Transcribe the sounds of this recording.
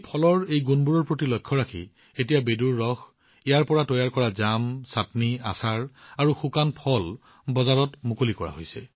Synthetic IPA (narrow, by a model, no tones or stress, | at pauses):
pʰɔlɔɹejɡunbuɹɔɹpɹotilɔjkʰːɔɹakʰḭ | etijabeduɹːɔx | ɛjaɹpɔɹatɔjaɹkɔɹazamsatnia̰saɹaɹuxukanpʰɔl | bɔzaɹɔtmukolikɔɹa̰ɦo̰jsɛ